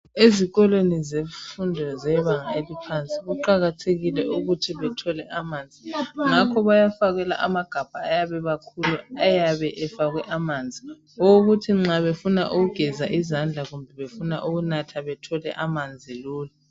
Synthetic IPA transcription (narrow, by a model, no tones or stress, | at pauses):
eziɣɔlwenizeɱfundʱɔzɛβaŋaelipʰant͡sʼiɣuǃaɣatʰeɣilɛuɣutʰiβɛtʰɔlɛʔamaːnd͡zʱiŋakʰɔβajafaɣɛla̰ʔamaɡ̥ʱab̥ʱaːjaβɛβakʰuluajaβɛʔɛfaɣwɛʔamaːnd͡zʱi | ɔɣutʰiŋ͡ǁaβefuna̰ʔuɣuɡ̥ʱɛzaʔizand͡ɮʱaɣumbʱɛβefuna̰ʔuɣunatʰaβɛtʰɔlɛ̰ʔamand͡zʱiluːlu